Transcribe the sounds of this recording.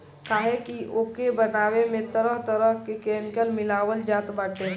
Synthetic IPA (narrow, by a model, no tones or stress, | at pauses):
kaːɦekiʔoːkebənaːwemẽt̪əɾəɦt̪əɾəɦkekɛːmɪkəlmɪlaːwəld͡ʒaːt̪baːʈe